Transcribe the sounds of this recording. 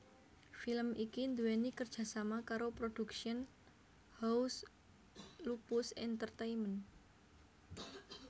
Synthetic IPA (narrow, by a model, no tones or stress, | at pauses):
filəmʔikind̪uenikərd̥ʒ̥a̤samakaɾopɾod̥ṳkʃiən | haus | lupʊsɛnt̪ərt̪ejmən